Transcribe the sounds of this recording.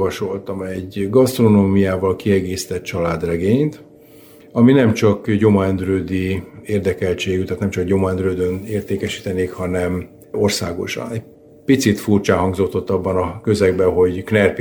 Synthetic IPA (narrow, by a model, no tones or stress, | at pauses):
vɒʃo̞lt̪ɒmɛɟɡɒst̪ro̞noːmijaːvɒlkiɛɡeːsi̥t̪ɛt̪t͡ʃɒlaːd̪rɛɡeːɲt̪ | ɒminɛmt͡ʃɒkɟo̞mɒɛnd̪ɾøːd̪ieːrd̪ɛkɛlt͡ʃeːɡyt̪aːt̪nɛmt͡ʃɒkɟo̞mɒɛnd̪ɾøːd̪øneːrt̪eːkɛʃi̥t̪ɛneːkhɒnɛm | orsa̰ːɡo̞̰ʃɒ̰nɛ | pit̪sit̪furt͡ʃaːɦɒŋɡzo̞t̪ːo̞t̪ːɒbːɒnɒkø̞zɛɡbɛɦo̞ɟknɛrp